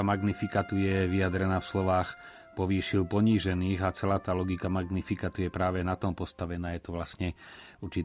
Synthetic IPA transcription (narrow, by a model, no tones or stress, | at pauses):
amaɡnifikat̪ujɛʋiad̪ɾɛnaːfslɔʋaːx | pɔʋiːʃilpɔɲiːʒɛniːɣat͡sɛlaːt̪aːlɔɡikamaɡnifikat̪ujɛpɾaːʋɛnat̪ɔmpɔst̪aʋɛnaːjɛt̪ɔʋlasɲɛ | uɾt͡ʃi